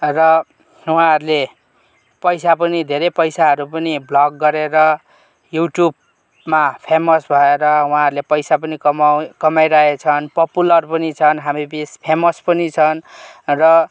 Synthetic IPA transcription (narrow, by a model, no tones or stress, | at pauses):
rʌ | wuãɦʌɾule | pʌjsapʌnid̪ʱeɾepʌjsaɦʌɾupʌniblʌɡːʌɾeɾʌ | juʈjub | mapʰemʌsbʱʌeɾʌw̃ɦãɦʌɾlepʌjsapʌnikʌmakʌmajɾaet͡sʰʌnpʌpulʌrpʌnit͡sʰʌnɦamibispʰemʌspʌnit͡sʰʌnrʌ